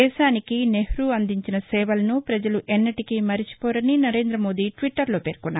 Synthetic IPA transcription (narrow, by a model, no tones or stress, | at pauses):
ɛːʃaːnikine̞hɾuɐnd̪iɲt͡ʃinɐsɛːʋɐlɐnupɾɐd͡ʒɐluʔɛnːɐʈikimɐɾit͡ʃi̥pɔːɾɐninɐɾe̞ːnd̪ɾɐmo̞ːd̪iʈʋiʈːɐɾlo̞ːpe̞ːɾkunːaː